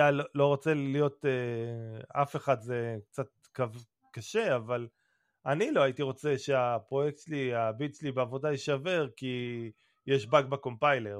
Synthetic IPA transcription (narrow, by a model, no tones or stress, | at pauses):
jalolo̞ʁot͡seijo̞te | afe̞χadze̞k̚t͡sat̪̚kav | kaʃe̞aval | anilo̞aitiʁo̞t͡seʃeapʁo̞jek̚tʃliabit͡slibeavo̞daiʃave̞ʁki | jeʃbaɡ̚bako̞mpajle̞ʁ